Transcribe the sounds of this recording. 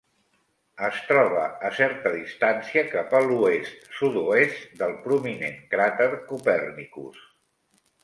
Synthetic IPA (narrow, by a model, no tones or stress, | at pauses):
əst̪ɾɔβ̞ə̰ːsɛɾt̪əðist̪ansiəkapəluest̪sud̪uest̪d̪əlˠpɾumineŋkɾat̪əɾkupɛrnikṵs